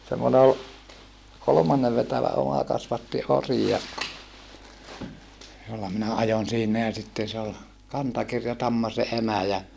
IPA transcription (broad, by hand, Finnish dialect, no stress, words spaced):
semːone ol kolomɑnːeʋ ʋetæʋæ omɑ kɑsʋɑtːi ori jɑ jolːɑ minæ ɑjon siːnæ jɑ sitːen se ol kɑntɑkirjɑtɑmːɑ se emæ jɑ